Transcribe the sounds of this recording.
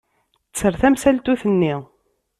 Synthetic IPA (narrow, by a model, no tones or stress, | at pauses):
ət͡sːəɾθæmsælt̪uθənːi